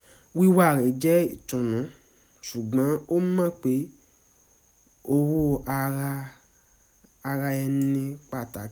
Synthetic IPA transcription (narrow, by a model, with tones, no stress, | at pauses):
wi˦wa˦˨ɾɛ˨d͡ʒɛ˦i˨tũ˨nũ˨˦ | su˨ɡ͡bã˨˦o˦mã˦˨k͡pe˨˦ | o˦wo˦a˧ɾa˧ | a˧ɾa˧ɛ˧nĩ˧k͡pa˧˨ta˨˦